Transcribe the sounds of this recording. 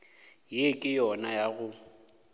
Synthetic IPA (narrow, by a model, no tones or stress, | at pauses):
jekʼɪjɔnajaɣʊ